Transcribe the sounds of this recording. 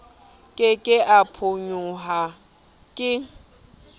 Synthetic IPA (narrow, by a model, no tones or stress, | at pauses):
kʼɪkʼɪʔapʰoɲuɦa | kʼɪ